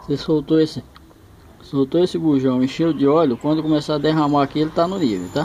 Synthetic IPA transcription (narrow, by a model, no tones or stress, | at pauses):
sesowt̪oesɪ | sowt̪oesɪɡuʒɐ̃w̃ĩʃẽʊd͡ʒɪɔʎʊkwɐ̃d̪ʊkõmesaad̪eɦãmaakielɪt̪anʊnivḛwt̪a